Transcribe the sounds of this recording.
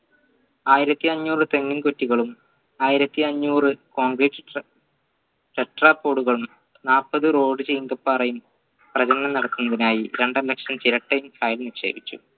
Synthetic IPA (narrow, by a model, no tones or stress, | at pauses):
aːjiɾɐt̪ːiɐɲːuːrɨt̪e̞ŋːinkotːiɣɐɭum | aːjiɾɐt̪ːiɐɲːuːrɨko̞ːŋɡriːʈː | ʈeʈrapːoːɽuɣɐɭum | naːrpːɐðɨro̞ːɖɨt͡ɕejiŋɡɐpːaːrɐjum | prɐd͡ʑɐnːɐmnɐɽɐt̪ːunːɐðinaːjiɾe̞ɳɖɐlːɐkʂɐmt͡ɕiɾɐʈːɐjumkaːjilniʂe̞̰ːbʱit͡ɕːṵ